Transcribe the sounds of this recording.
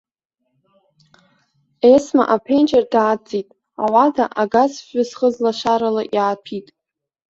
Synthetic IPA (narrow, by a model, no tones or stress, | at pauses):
esma̰ʔapʰent͡ʃʼerdaːd͡zʼitʼ | awadaʔaɡazfʷʊsχəzlaʃaɾalaʔjaːpʰitʼ